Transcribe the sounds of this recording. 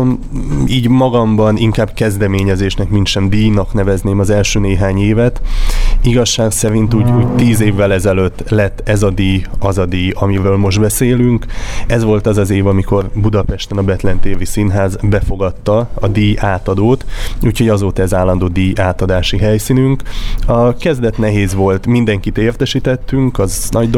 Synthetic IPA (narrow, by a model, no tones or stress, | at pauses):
iːɟmɒɡɒmbɒniŋkaːbkɛzd̪ɛmeːɲɛzeːʃnɛkminʃɛmd̪iːnɒknɛvɛzneːmɒzɛlʃøːneːɦaːɲeːvɛt̪iɡɒʃːaːksɛɾint̪uːɟuːɟt̪iːzeːvːɛlɛzɛløt̪ːlɛt̪ːɛzɒd̪iːjɒzɒd̪iːɒmiɾøːlmo̞ʒd̪bɛseːlyŋkɛzʋo̞lt̪ɒzɒzeːvɒmiko̞rbud̪ɒpɛʃt̪ɛnɒbɛt̪lɛnt̪eːvisinɦaːzbɛfo̞ɡɒt̪ːɒɒd̪iːʔaːt̪ɒd̪oːt̪uːchoɟɒzoːt̪ɒɛzaːlːɒnd̪oːd̪iːjʔaːt̪ɒd̪aːʃiɦɛjsinyŋkɒkɛzd̪ɛt̪nɛɦeːzʋo̞lt̪mind̪ɛŋkit̪eːrt̪ɛʃit̪ɛt̪ːyŋkɒznɒɟd̪